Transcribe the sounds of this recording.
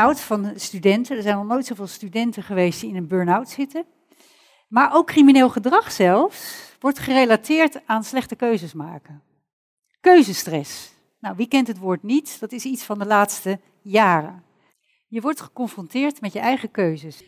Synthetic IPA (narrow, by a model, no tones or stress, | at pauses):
wtfɑnstydɛntəndəɹzɛjnɔχnojtsowvɪːlˠstydɛntəχəʋejst̚d̥iɪnənbøːɹnawtsɪtə | maːɹʔowkːrimineːlˠχədrɑχsɛlˠfsʋɔɹtχərejlatɪːɹtaːnslɛχtəkøɥzəsma̰ːkən | køɥzəstrɛs | nawʋikɛntɦətʋʊːɹtnitd̥ɑtɪsitsfɑndəlaːtstə | jaːrə̰n | jəʋɔɹtχə̥kɔɱfrɔntɪːɹtmɛtjəʔɛjχəkøɥzəs